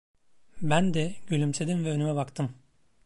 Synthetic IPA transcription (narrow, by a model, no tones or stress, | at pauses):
bænd̪ɛɟylʲymse̞d̪imvɛønymɛbakt̪ʰɯm